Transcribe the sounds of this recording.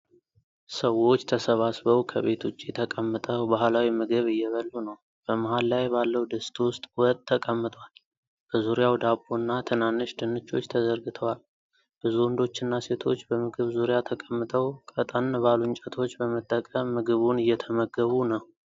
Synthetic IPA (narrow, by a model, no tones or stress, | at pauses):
səwo̞t͡ʃːt̪ʰəsəβasbəwkʰəβe̞t̪ʰut͡ʃʼːit̪ʰəkʼəmːɨt̪ʼəwbahlawimɨɡɨβɨjːɛβəlːunəw | b̥əməɦalːajbalːəwd̪əst̪ʰʼwʊst̪ʼwɔt̪ʼʰːəkʼəmːɨt̪ʼwal | b̥əzuɾijawd̪abunːat̪ʰɨnanːɨʃd̪ɨnːɨt͡ʃːo̞t͡ʃːt̪ʰəzəɾɡɨt̪ʰəwal | b̥ɨzuwɔnd̪o̞t͡ʃːɨnːase̞t̪ʰo̞t͡ʃːbəmɨɡɨβzuɾjat̪ʰəkʼəmːɨt̪ʼʰəwkʼət̪ʼənbaluɲt͡ʃʼət̪ʰo̞t͡ʃːbəmət̪ʼːəkʼəmːɨɡɨβunɨjːɛt̪ʰəməɡːəβunəw